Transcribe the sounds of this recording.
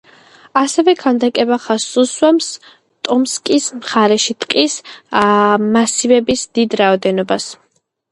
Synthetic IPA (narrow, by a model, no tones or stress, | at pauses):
asɛvɛkʰand̪akʼɛbaχasuswɛms | t̪ʼɔmskʼismχaɾɛʃit̪ʼqʼis | masivɛbisd̪id̪ɾaɔd̪ɛnɔbas